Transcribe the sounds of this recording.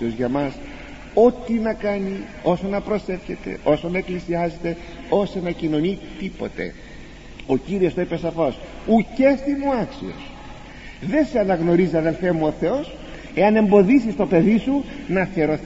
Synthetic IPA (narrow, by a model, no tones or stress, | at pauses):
o̞zʝɐmɐs | o̞t̪inɐkɐni | o̞so̞nɐpɾo̞se̞fçe̞t̪e̞̰o̞so̞nɐeklisiɐze̞t̪e̞ | o̞senɐcino̞nit̪ipo̞̰t̪e̞̰ | o̞ciɾio̞st̪o̞ipesɐfo̞s | ucest̪imuɐksio̞̰s | ðe̞seɐnɐɣno̞ɾiziɐðe̞lfe̞muo̞θe̞o̞s | e̞ɐne̞mbo̞ðisist̪o̞pe̞ðisunɐθeɾo̞